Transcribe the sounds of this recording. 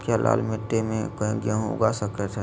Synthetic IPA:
kalʔa̰ːlmẽʈemẽkə̃ɡjãɦʊ̰ɡasəket̪ʰe

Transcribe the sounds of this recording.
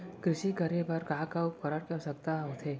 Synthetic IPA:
kɾɪʃikəɾebɐɾkaãkaukɐɾəɾkɛsɐkt̪aɦot̪ʰeː

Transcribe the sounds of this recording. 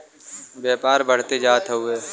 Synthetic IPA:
bjaːpaːɾbəɽ̤t̪ed͡ʒaːt̪ɦəueː

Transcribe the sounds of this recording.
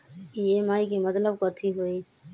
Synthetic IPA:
ijeːmaːikimət̪ləb̚kəːt̪ʰiɦoːiː

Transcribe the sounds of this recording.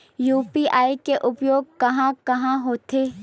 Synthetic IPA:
juːpiʔaːikeʔʊpjoːɡ̚kɐɦãkɐɦãɦoːt̪eː

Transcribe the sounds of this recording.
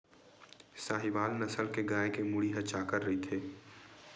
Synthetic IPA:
saːɦiʋaːlnɐsəlkeɡaːekemʊɽiɦɐt͡ʃakəɾːɐɦit̪ʰeː

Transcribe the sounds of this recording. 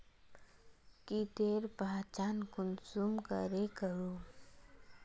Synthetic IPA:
kit̪eːɾpat͡ʃaːnkʊnsuːmkə̰ɾekəɾuː

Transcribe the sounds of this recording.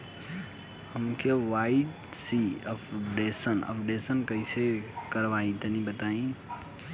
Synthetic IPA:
həmkeʋaiʈ | siəpʰɖesənə̰pʰɖesənkəɪsekəɾʋaĩt̪ənibət̪aĩ

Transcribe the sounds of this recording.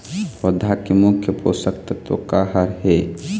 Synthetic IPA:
wəd̪ʱakemʊkʰjəposəkt̪t̪o̰kaːɦəɾɦe

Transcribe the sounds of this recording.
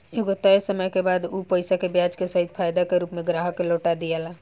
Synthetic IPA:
eɡot̪əsəməjkebad̪upəjsakebjad͡ʒkesəɦid̪̚pʰajd̪akeɾuːpmeɡɾaɦəkːeloʈad̪ijɛla

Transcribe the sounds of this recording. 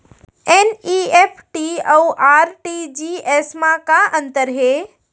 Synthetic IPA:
eniepʰʈiouʔaːɾʈid͡ʑieːsmãkãʔə̃nt̪əɾɦeː

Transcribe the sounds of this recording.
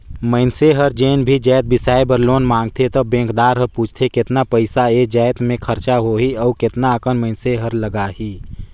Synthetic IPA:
məɪnseɦəɾd͡ʒeːnbʱid͡ʒaːt̪̚bɪsaːebəɾloːnmãːŋɡt̪ʰet̪ɔbẽːŋkd̪aːɾɦəɾpuːt͡ʃʰt̪ʰekɪt̪napəɪsaed͡ʒaːjt̪mẽkʰəɾt͡ʃaɦoːɦiɔːkɪt̪naəkənməɪnseɦəɾləɡaːɦiː

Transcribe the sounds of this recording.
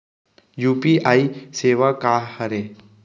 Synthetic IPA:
juːpiʔaːiseːʋakaːhəɾe

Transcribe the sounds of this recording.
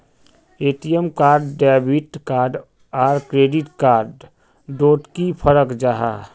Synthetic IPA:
eːʈijəmkaːɾɖːaːbiʈkaːɾɖ | aːɾkɾeːɖɪʈkaːɾɖ | ɖoːʈkipʰəɾəkd͡ʒaːɦaː

